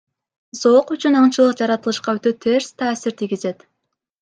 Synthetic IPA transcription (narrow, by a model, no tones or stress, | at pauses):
zo̞qyt͡ʃynɑɴt͡ʃɯlˠɯqd͡ʒɑɾɑt̪ɯlˠɯʃqɑøt̪øt̪ʰe̞ɾst̪ʰaːsiɾt̪ʰiɡʲize̞t̪